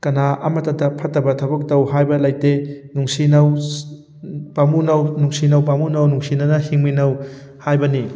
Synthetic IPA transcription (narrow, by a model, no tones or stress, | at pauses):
kɐnaʔɐmɐtɐdɐpʰɐtːɐbɐtʰabɐk̚tɐwɦajbɐlajtenuŋsinɐw | pamunɐwnuŋsinɐwpamunɐwnuŋsinɐnɐhiŋminɐw | hajbɐni